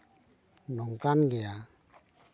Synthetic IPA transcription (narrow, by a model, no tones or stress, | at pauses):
nɔŋkanɡeja